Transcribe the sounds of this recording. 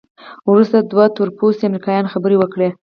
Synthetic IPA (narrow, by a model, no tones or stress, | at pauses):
wɾust̪ad̪wat̪ʊɾposeamɾikɑjɑnxabəɾewəkɽe